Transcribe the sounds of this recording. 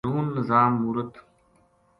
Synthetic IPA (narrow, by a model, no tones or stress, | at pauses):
uːnːəzaːmːuɾət̪